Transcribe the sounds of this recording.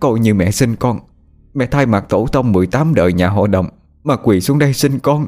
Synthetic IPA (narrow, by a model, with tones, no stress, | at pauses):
kɔ˧˩jɲɨ˧˩mɛ̰˧˨si˧nkɔ˧n | mɛ̰˧˨t̪ʰaː˧jma˨˩k̚t̪o˧˩t̪ʰə˧wŋ͡mmɨ˨˩əjt̪aː˨˦mɗə̰ː˨jɲaː˨˩ɦa̰˧˨ɗə̰˨wŋ͡m | maː˨˩kwi˨˩su˨˦əŋɗə˧jsï˧nkɔ˧n